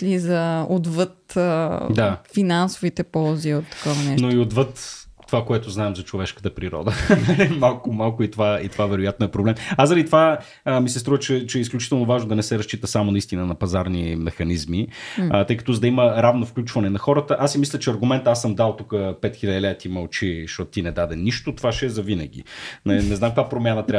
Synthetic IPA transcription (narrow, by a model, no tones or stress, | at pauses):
lizɐod̪vət̪ | d̪afinansʊvit̪ɛpɔlˠziot̪ːɐ̥kɔvɐnɛnoiod̪vɤt̪ | t̪ːovakoɛt̪ʊznaɛmzɐt͡ʃovɛʃkə̥t̪əpɾiɾɔ̰d̪ənəlimalˠkʊmalˠkʊit̪ovaḭt̪ovavɛɾʊjat̪noɛpɾoblɛmazəɾlit̪ova | misɛst̪ɾuvət͡ʃɛt͡ʃɛɛis̬klʲut͡ʃit̪ɛlˠnovaʒnod̪ɐnɛsɛɾɐst͡ʃit̪əsamonɐist̪inənɐpɐzaɾnimɛxɐnizmiət̪ɤjkət̪ɔzɐd̪ɐiməɾavnofklʲut͡ʃvɐnɛnɐxɔɾət̪əʔasimislʲət͡ʃɛɐɾɡʊmɛnt̪asəmd̪alˠt̪ukəpɛt̪xilʲɐd̪ilɛt̪imɐlˠt͡ʃiʃt̪ɔt̪t̪inɛd̪ad̪ɛniʃt̪ot̪ovaʃɛɛzɐvinɐ̰ɡ̟ḭnɐinɛznamkvapɾomʲjanət̪ɾʲa